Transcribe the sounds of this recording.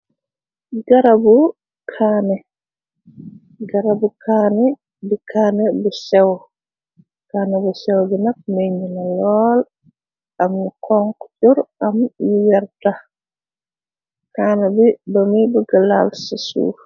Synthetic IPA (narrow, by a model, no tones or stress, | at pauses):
ɡaɾabu | kʰaːnɛ | ɡaɾabukʰaːnɛ | bikʰaːnɛbɛsɛw | kanɛbɛsɛwd͡ʒinak̚meɲinalɔːl | ʔamnukʰɔŋkt͡ʃuɾʔamnujaɾta | kaːnɛbidomibɛɡalalsisṵ